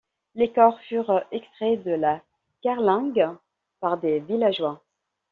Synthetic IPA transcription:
lekɔʁfyʁɛkst̪χed̪əla | kaʁlɑ̃ɡ | paʁd̪evilaʒwa

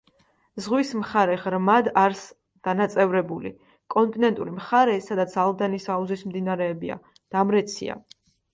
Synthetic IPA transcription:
zʁwismχaɾɛʁɾmad̪aɾs | d̪̥anat̪sʼɛvɾɛbulḭ | kʼɔnt̪ʼinɛnt̪ʼṵɾimχaɾɛsad̪at̪sʰalˠd̪anisauzismd̪inaɾɛːbia̰ | d̪̥amɾɛt̪sʰḭa̰

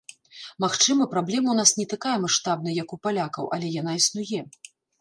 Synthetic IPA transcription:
maxt͡ʂɨmɐpɾablʲɛmɐwnasnʲɛt̪akajɛmaʂt̪abnɐjɐkupalʲakɐwʔɐ̰lʲɛjan̪aisnujɛ

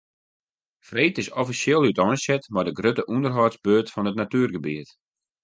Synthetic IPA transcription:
freːtɪsɔfisjɪlˠytɔjnsɛtmadəɡrøtəʔundərɦɔtsbøːtfɔnətnatyːrɡəbiət

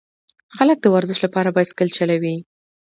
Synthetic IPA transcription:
xalək̚d̪əwaɾzɪʃlapɑɾabɑjad̪kəlt͡ʃalawi

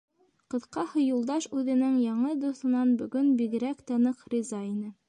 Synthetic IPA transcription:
qɤ̆ðqɑhɤ̆julˠd̪ɑʃʉðɘ̆nɘŋjɑɴɤd̪uθɤ̆nɑnbɵ̆ɡɵnbiɡɘ̆ɾækt̪ɤ̆nɤqrʲizɑinɘ

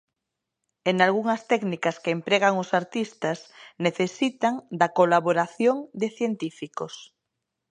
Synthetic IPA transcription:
eŋalɣuŋɐst̪ɛknikɐskeempɾeɣaŋʊsaɾt̪ist̪ɐsneθesit̪aŋd̪ɐkolaβoɾaθjoŋd̪eθjent̪ifikos

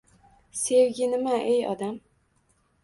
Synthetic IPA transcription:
sewɡʲɪnɪmaʔejɒ̰d̪am

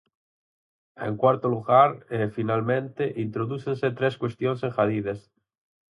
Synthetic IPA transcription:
ḛŋkwaɾt̪oluɣaɾefinalmẽnt̪eʔint̪ɾoðuθenset̪ɾeskwest̪jonseŋxaðiðes

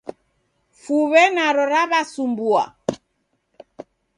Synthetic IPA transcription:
fuβɛnaɾɔɾaβasumbua̰

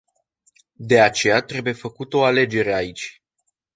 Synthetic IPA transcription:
d̪e̞at͡ʃe̞jat̪ɾe̞buje̞fəkut̪o̞ale̞d͡ʒe̞ɾe̞ait͡ʃʲ

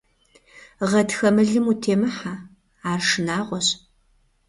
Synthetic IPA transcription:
ʁɐtxɐmɨɮɨmutʰeːmɨħa | aːrʂɨnaːʁʷɔɕ

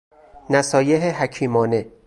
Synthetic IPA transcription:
næsɒːjeɦeɦæcʰiːmɒːne̞

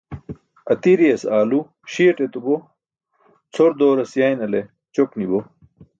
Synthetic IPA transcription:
ɐt̪iɾijɐsaːlu | ɕiɐʈet̪ubo | t͡sʰoɾd̪oːɾɐsjaːjnɐle | t͡ɕoknibo

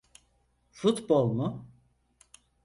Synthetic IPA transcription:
fut̪bolˠmʊ

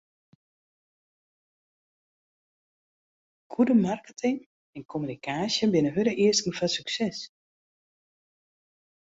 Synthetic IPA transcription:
kʰudəmarkətʰɪŋ | ɛnkʰomynikʰaːsjəbɪnəɦødəʔiəskn̩fasyksɛs

